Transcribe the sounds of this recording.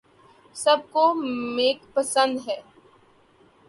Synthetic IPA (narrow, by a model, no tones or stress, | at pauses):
sɐb̚komeːkpɐsə̃nd̪ɦɛː